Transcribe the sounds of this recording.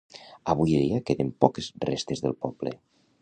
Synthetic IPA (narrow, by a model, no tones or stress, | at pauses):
aβujeðiakeðempɔkezrest̪ezðəlˠpɔblḛ